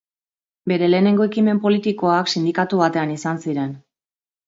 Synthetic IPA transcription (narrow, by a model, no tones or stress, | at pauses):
be̞ɾe̞le̞ːne̞ŋɡo̞e̞kime̞mpo̞lit̪iko̞aksind̪ikat̪uβ̞at̪e̞anisansiɾe̞n